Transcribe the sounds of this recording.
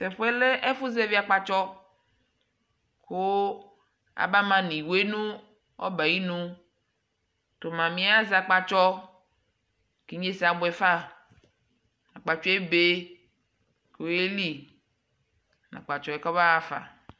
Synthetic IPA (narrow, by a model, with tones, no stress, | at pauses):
sɛ˨ɸo˦ɛ˦le˦ʔe˦fu˦zɛ˦vi˦a˨k͡pa˦t͡ʃɔ˦ | ko˦ | a̰˨ba˦mã˨nĩ˨we˦nũ˦ | ɔ̰˦ba˨ji˦nũ˦ | to˨mã˨mĩ˦a˦za˨k͡pa˦t͡ʃɔ˦ | ke˦ɲ˦e˦sa˨bʊ˨ɛ˨fa˦ | nã˨k͡pa˨t͡ʃɔ˦e˦be˦ | ke˨˦e˦li˦ | na̰˨k͡pa˨t͡ʃɔ˦e˦kɔ˦βa˦a˨fa̰˨